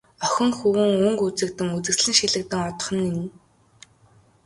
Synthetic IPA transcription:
œxʲɪ̆ŋxuwɘ̆ŋɵŋkut͡sɘ̆k̚t̪ɘ̆ŋut͡sɘ̆ksɮɘ̆ŋʃiɮɘ̆k̚t̪ɘ̆ŋɔt̪ɞ̥̆χɞ̆nin

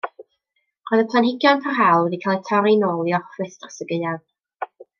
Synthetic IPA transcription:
roɨðəpʰlˠanhɪɡjɔnpʰarɦalˠdikʰalˠtʰaɾinoːlˠjɔfrɨθdrḁsəɡəan

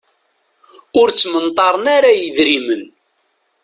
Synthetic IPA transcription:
ʊɾt͡sːmənt̪ˤɑɾˤənaɾajəðɾimən

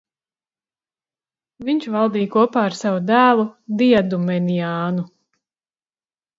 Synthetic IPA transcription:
viɲt͡ʃvalˠd̪iːjkuɔpaːaɾsavud̪æːlˠud̪iɛd̪umɛniaːnu

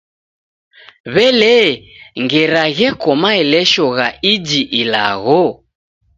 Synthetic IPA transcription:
βɛlɛŋɡɛɾaɣɛkɔmaɛlɛʃɔɣaid͡ʒiʔila̰ɣɔ

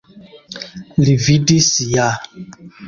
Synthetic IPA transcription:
lividisija

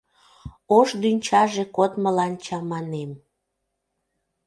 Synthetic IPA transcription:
oʃd̪ynʲt͡ɕɑʒekot̪məlɑnt͡ɕɑmɑnem

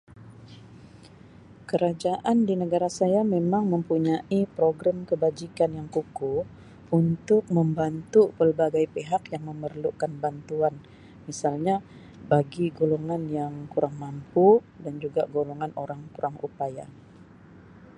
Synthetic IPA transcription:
kəɾad͡ʒaʔandinəɡaɾasajamemaŋməmpuɲaʔipɾoɡɾamkəbad͡ʒikanjaŋkuku | unt̪ʊk̚məmbant̪upərbaɡajpeɦakjaŋməmərlukanbant̪uan | misalɲa | baɡiɡoloŋanjaŋkuɾaŋmampu | dand͡ʒuɡaɡoloŋanoɾaŋkuɾaŋṵpaja̰

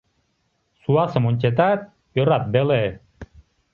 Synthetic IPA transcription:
suasəmont͡ʃet̪̬at̪̚ | oɾat̪̚bele

